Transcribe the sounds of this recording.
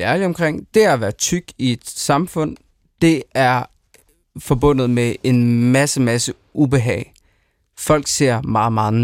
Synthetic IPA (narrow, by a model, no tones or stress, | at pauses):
æɐliɒ̽mkʰʁeŋ̰d̥e̝æʋæːɐðˠt͡sʰyɡ̥ie̝d̥sɑ̈mfɔ̽n̰ | d̥e̝æɐ | fɒ̽b̥ɔ̽n̰ð̞̩ˠmee̝nmæsəmæsə | ub̥e̝ɦɛ̰ːɪ | fɒ̽l̰ɡ̥se̝ɐ̰mɑ̈ːð̩ˠmɑ̈ːð̩ˠ